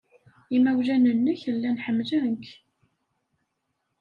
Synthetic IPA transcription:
imæwʒænənːəçəlːænħəmːlæŋk

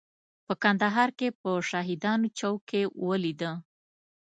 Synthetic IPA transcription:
pəkand̪aɦɑɾkepəʃɑɦɪd̪ɑnot͡ʃawkewəlid̪ə

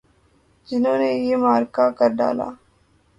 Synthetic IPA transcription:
d͡ʒɪnõːnejeːmaːɾkaːkəɾɖa̰ːla̰ː

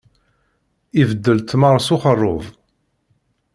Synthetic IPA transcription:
ivəd̪ːəlt̪məɾˤsʊχərˤːʊ̰ðˤ

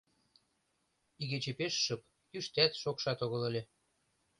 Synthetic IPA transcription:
iɣet͡ɕĕpeʃːɤ̆p̚ | kyʃt̪æt̪ʃokʃɑt̪oɣɤ̆lə̆lʲĕ

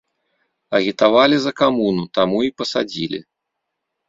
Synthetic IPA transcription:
ɐɣʲit̪avalʲizɐkamunut̪amuipɐsad͡zʲilʲḭ

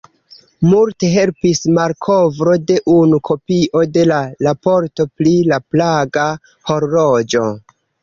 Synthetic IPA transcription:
multe̞ɦe̞lpismaɾkʰo̞vɾo̞de̞ʔunukʰo̞piʔo̞de̞lalapo̞ɾto̞plilaplaɡa | ho̞ɾlod͡ʒo̞

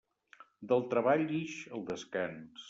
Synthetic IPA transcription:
d̪əlˠt̪ɾəβaʎiʃəlˠd̪əskans

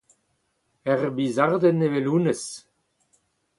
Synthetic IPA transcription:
ɛʁbizaʁd̪əneveluːnəs

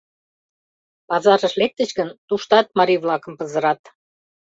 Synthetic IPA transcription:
pɑzɑɾəʃlek̚t̪ə̆t͡ɕɡənt̪uʃt̪ɑt̪̚mɑɾiβlɑkə̆mpə̆zə̆ɾɑt̪

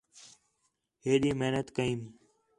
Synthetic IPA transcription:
ɦeːɗiːmeːnət̪kəĩːn

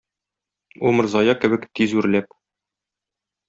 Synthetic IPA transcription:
umɤ̆ɾzɒjɑkɘ̆bɘkt̪izʉɾlæp

